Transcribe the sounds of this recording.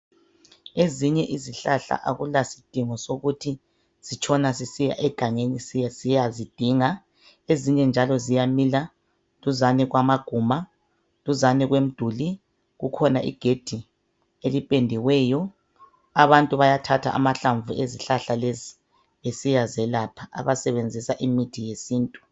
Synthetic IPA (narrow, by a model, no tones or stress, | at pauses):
eziɲɛʔiziɬaɬa̰ʔaɣulasi̥d̥ʱiŋɔsoɣutʰi | z̥it͡ʃʰʼɔnasisija̰ʔɛɡ̥ʱaŋenisijasijazid̥ʱiŋa | eziɲɛnd͡ʒʱalɔzijamila | luzanɛɣwamaɡ̥ʱuma | luzanɛɣwem̩d̥ʱuli | ɣukʰɔnaʔḭɡ̥ʱed̥ʱi | elipʼendʱiwɛːjɔ | aβantʼuβajatʰatʰa̰ʔa̰maɬaɱvueziɬaɬalezi | βesijazɛlapʰaa̰βasɛβend͡zʱisaʔimitʰijesiːntʼu